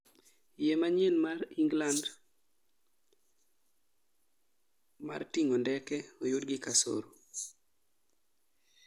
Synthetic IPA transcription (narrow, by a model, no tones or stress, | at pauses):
jemaɲjenmariŋɡland | ma̰rtiŋondɛkɛojʊdɡɪkaso̰ɾo